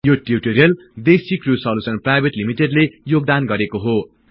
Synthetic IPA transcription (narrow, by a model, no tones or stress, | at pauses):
joʈjuʈoɾijʌl | d̪esikrusʌlusʌnprajbeʈlimiʈeɖlejoɡ̚d̪anɡʌɾekoɦo